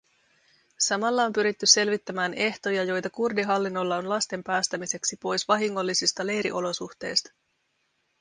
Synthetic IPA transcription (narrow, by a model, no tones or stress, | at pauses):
sɑmɑlːɑo̞mpyɾit̪ːyse̞lʋit̪ːæmæːne̞ht̪o̞jɑjo̞jt̪ɑkurdiɦɑlːinːo̞lːɑo̞nlɑst̪e̞mpæːst̪æmise̞ksipo̞jsʋɑɦiŋːo̞lːisist̪ɑle̞jɾiʔo̞lo̞suxt̪e̞̰jst̪ɑ̥